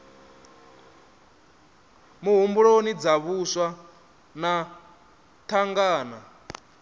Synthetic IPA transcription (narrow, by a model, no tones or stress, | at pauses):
muɦumbuɺonid͡zaβuswa | na | t̪ʰaŋɡaːna